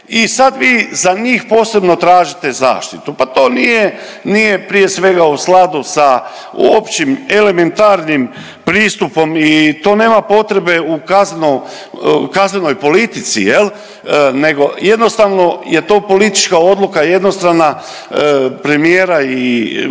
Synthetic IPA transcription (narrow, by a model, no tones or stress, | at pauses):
isad̪ʋiːzaɲiːxpo̞ːse̞bno̞t̪ɾaːʒit̪e̞za̰ːʃt̪it̪upat̪o̞ːnije | nije̞pɾije̞sʋe̞ɡausklˠad̪usa | ṵopt͡ʃimele̞me̞nt̪aːɾnim | pɾiːst̪upo̞mit̪o̞ːne̞ːmapo̞t̪ɾe̞be̞ukaznno | kazneno̞jpo̞lit̪it̪sḭje̞l | ne̞ɡo̞je̞d̪no̞st̪aːʋno̞je̞t̪o̞ːpo̞lit̪i̥t͡ʃkao̞d̪lˠukaje̞d̪nost̪ɾana | pɾe̞mijeːɾai